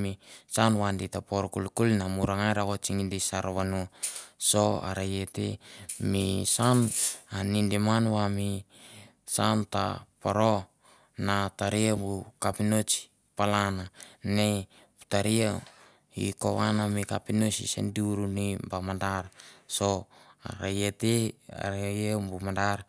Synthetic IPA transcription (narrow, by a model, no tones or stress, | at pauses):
misanwanditapoɾkulkulnamuɾaŋajɾaɡot͡ʃiŋindisaɾoβanuso̞a̰ɾajetemisananindimanwami | santa̰poɾo | nataɾiabukapinot͡ʃi̥ | palanane | pu̥taɾia | ḭko̰wanamikapinot͡ʃḭsḛndiuɾunibamadaɾsoa̰ɾajetea̰ɾajebumadaɾ